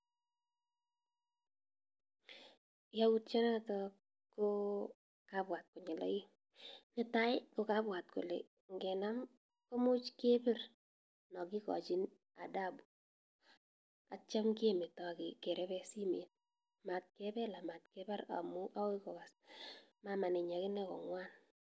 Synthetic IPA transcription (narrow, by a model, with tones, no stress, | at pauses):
jau˦t̚t͡ʃa˦na˦tɔ | ko˦ | ka˦bwa˨t̚kʊ˨ɲɪ˨la̰˦ɪ˦ | nɪ˨ta˦ɪ˦ko˨ka˦bwa˨t̚kʊ̰˨lḛ˨ | ŋɡɛ˨na˦m | ko˦mʊ˦t͡ʃke˦bɪ˦r | nɔ˨kɪ˦kɔ̰˨t͡ʃɪ˦n | a̰˨da˦bu | a˨t͡ʃa˦mkɪ˦e˦me˨tɔ˨kɪ˨kɛ˨ɾɛ˦bɛ˦si˦me˨t̚ | ma˨t̚kɛ˦bɛ˦la˨ma˨tkɛ˦ba˦ɾa̰˨mʊ˦ʔa˦wɪ˦kɔ˨ka˨sma˨ma˨nɪ˨ɲa˨kɪ˦nɛ˦kɔ̰˨ŋwa˦n